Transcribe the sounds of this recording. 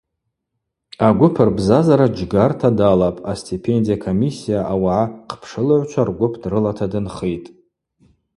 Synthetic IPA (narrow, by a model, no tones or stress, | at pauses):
aɡʷʊpʰɨrbzazaɾad͡ʒɡartʰadalapʼastʰipʰe̞ndijakʰomisːijaʔawaʕaqʰpʰʂɨlaʕʷt͡ʃʷʰarɡʷʊpʰdrɨlatʰadɨnχejtʼ